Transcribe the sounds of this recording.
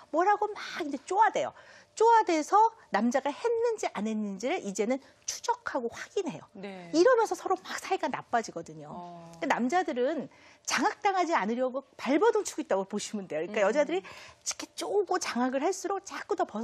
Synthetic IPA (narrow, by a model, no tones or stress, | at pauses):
mwʌɾɦaɡomaɡind͡ʑe̞t͡ɕ͈oade̞jo̰ | t͡ɕ͈oadesʰʌnamd͡ʑaɡahe̞nːɯnd͡ʑiʔane̞nːɯnd͡ʑiɾɯʔid͡ʑe̞nɯn | t͡ɕʰu̥d͡ʑʌkʰaɡoɸwaɡ̥inɦe̞jʌniɾʌmjʌnsʰʌsʰʌɾomak̚sʰaiɡana̰p͈ad͡ʑiɡʌdɯɲokanamd͡ʑadɯɾɯn | t͡ɕaŋɦak̚t͈aŋɦad͡ʑianɯɾjʌɡopaɭbʌdoŋt͡ɕʰuɡoit͈aɡopoɕʰimunde̞joɲik͈ajʌd͡ʑadɯɾit͡ɕi̥kʰet͡ɕ͈oɡot͡ɕaŋaɡɯɭhaɭs͈uɾok̚t͡ɕak͈udʌpʌ